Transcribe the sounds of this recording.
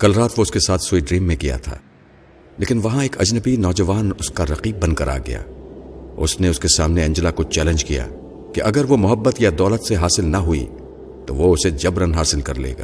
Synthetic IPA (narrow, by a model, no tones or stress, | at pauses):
kɐlɾaːt̪ʋoʊskesaːt̪ʰsuiɖɾiːmːẽkija̰t̪ʰa̰ː | leːkɪnʋɐɦãeːkɐd͡ʒnəbinɔːd͡ʒɐʋaːnʊskaɾɐqiːb̚ːɐ̃nd̪kɐɾʔa̰ːɡɐ̰ja̰ː | ʊ̰sneʊskesaːmneɐ̃ɲd͡ʒəlakot͡ʃɛːlə̃nd͡ʒkija̰ː | keʔɐɡəɾʋomʊɦəbːət̪jad̪ɔːlət̪seɦaːsɪlnɐɦuḭ | t̪oʋoʊsed͡ʒɐbɾənɦaːsɪlkɐɾlḛːɡa̰ː